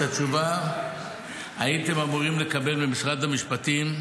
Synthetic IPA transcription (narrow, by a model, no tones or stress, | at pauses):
at͡ʃuva | ait̪e̞mamuʁimle̞kabe̞lbemisʁad̪hamiʃpat̪im